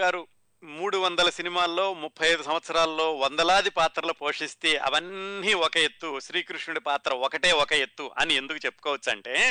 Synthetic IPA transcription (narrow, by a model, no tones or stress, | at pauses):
aːɾu | muːɽuʋɐnd̪ɐlɐsinimaːlːo̞ːmupʰːɐjɐjd̪usɐmʋɐt̪sɐɾaːlɐːo̞ːʋɐnd̪ɐlaːd̪ipaːt̪ɾɐlupo̞ːʂist̪eːʔɐ̰ʋɐnːiɔkɐe̞t̪ːuʃɾiːkɾuʂɳuɽipaːt̪ɾɐɔkɐʈe̞ːɔkɐet̪ːuʔɐ̰nie̞nd̪ukut͡ʃe̞pːu̥kɔːʋɐt͡ʃːɐɳʈe̞ː